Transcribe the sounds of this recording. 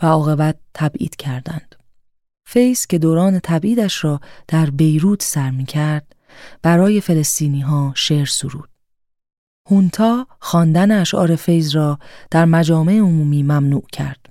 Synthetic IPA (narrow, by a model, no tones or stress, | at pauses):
væɒːɣe̞bæt̪ʰːæbʔḭːd̪̥cʰæɾd̪æ̰nd̪̥ | fe̞jz̥cʰe̞d̪oːɾɒːne̞t̪ʰæbʔiːd̪æʃɾɒːd̪̥æɾbe̞jɾuːt̪ʰsæɾmiːcʰæɾd̪̥̚ | b̥æɾɒːje̞fe̞le̞st̪iːniːɦɒːʃeːɾsuɾṵːd̪̥ | hunt̪ʰɒːxɒːnd̪æneæʃʔɒ̰ːɾe̞fe̞jzrɒːd̪̥æɾmæd͡ʒɒːme̞ʔeomuːmiːmæmnuːcʰæ̰ɾd̪̥